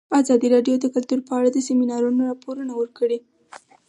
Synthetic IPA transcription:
ɑzɑd̪iɾɑɖjod̪əkʊlt̪uɾpəaɽad̪əseminɑɾunoɾɑpoɾunawəɾkəɽe

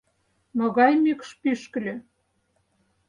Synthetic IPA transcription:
noɣɑjmikʃpyʃkə̆lʲø̆

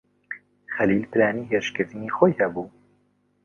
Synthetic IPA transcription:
xɛliːlpɨɾaːniːɦeɾʃkɨɾt̪ɨniːxojhɛbuː

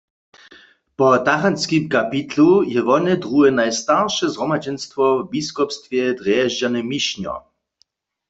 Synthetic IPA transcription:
pɔt̪axanskimkapit̪lujɛvɔnɛd̪ʁuɛnajst̪aʁʃɛzɦʁɔmad͡ʑɛnst̪vɔvbiskɔpst̪vjɛd̪ʁjɛʒd͡ʑanɛmiʃɲɔ̰

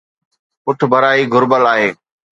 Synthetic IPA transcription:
pʊʈʰbʱɐɾaːiɡʱʊɾbəlaːɦeː

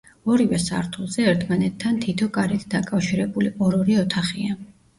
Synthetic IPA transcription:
ɔɾivɛsa̰ɾt̪ʰulˠzɛɛɾt̪ʰmanɛt̪ʰːant̪ʰit̪ʰɔkʼaɾit̪ʰd̪akʼafʃiɾɛbuliʔɔɾɔɾiɔt̪ʰaχia

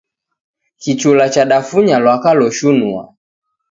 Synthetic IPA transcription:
kit͡ʃulat͡ʃaɗafuɲalwakalɔʃunua̰

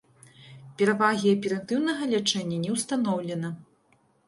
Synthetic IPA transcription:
pʲɛɾavaɣʲiɐpʲɛɾɐnt̪ɨwnɐɣɐlʲat͡ʂɛnʲːɐnʲɛwst̪anɔwlʲɛnɐ

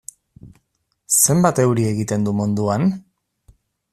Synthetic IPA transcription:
se̞mbat̪e̞wɾie̞ɣit̪e̞nd̪umund̪uan

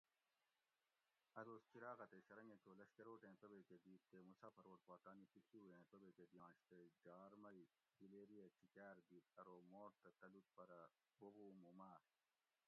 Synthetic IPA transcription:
ɐd̪oːst͡ɕiɾaːɣɐt̪eɕɐɾɐŋẽkoːlɐɕkɐɾoːʈẽːpɐbeked̪iːt̪t̪emut͡sʰaːpɐɾoːʈ̚paːt̪aːnipikʰiuẽːpɐbeked̪jãːɕt̪ed͡ʒaːɾmɐi | ɡileːɾijɐt͡ɕikæːɾd̪iːt̪ɐɾoːmoːɾt̪ɐt̪ɐlut̪̚pɐɾɐ | bobuːmumaːɾ

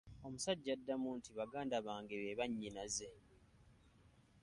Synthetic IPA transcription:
o̞musaɟːadːamuːntʰiβaɡaːndaβaːŋɡeβeβaɲːinaze̞

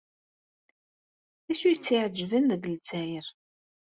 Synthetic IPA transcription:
æʃujət͡sːiʕəd͡ʒːvənðəɡəlt͡sːæjəɾ

